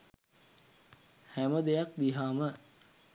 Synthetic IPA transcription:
hæməd̪ejak̚d̪iɦaːmə

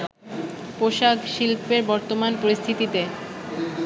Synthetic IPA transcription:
poʃaɡʃilpeɾbɔɾt̪omanpoɾist̪ʰit̪it̪e

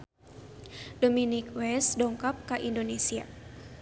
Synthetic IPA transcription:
dominikwɛsdɔŋkap̚kaʔindonesia̰

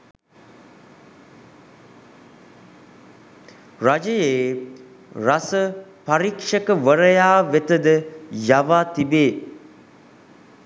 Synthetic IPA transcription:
rad͡ʒəjeː | rasəpaɾikʂəkəʋəɾəjaːʋet̪əd̪əjaʋaːt̪ibeː

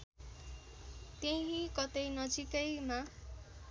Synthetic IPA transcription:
t̪eɦĩkʌt̪ejnʌd͡zikʌjma

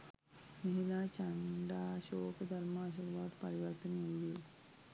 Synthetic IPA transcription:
məɦilat͡ɕaɳɖaɕokd̪ʱəɾmaːɕ̬iɾʋad̪pəɾiʋəɾt̪ənmili

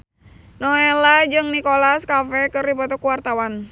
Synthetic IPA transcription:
noelad͡ʒɨŋnikolaskafɛkɨrdipɔt̪ɔkuwart̪awan

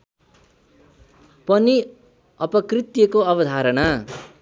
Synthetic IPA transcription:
pʌni | ʌpʌkrit̪jʌkoʌbʌd̪ʱaɾʌna

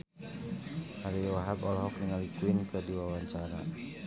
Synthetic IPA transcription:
haɾiwaɦabɔlɦɔkniŋalikuɪnkədiwawaɲt͡ʃaɾa

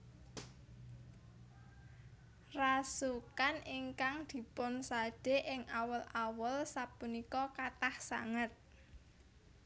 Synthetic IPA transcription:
rasukanɪŋkaŋd̪̥i̤pʊnsaɖ̥e̤ʔɪŋʔawəlʔawəlsapunikɔkat̪ahsa̰ŋət̪̚

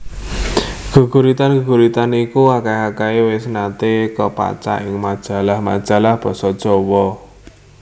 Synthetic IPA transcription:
ɡ̥ə̤ɡ̥ṳɾit̪anɡ̥əɡ̥ṳɾit̪anikuakaeakaewɪsnat̪ekəpa̰t͡ʃa̰ʔɪŋmad̥ʒ̥a̤lahma̰d̥ʒ̥a̤lahb̥ɔ̤sɔd̥ʒ̥ɔwɔ

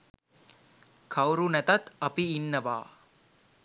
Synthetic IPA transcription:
kʰɐwɾunɛt̪ɐt̪ɐpiːnːəʋa̰ː

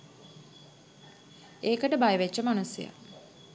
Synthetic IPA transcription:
eːkəʈəbajəʋet͡ʃːəmanusjḛja̰

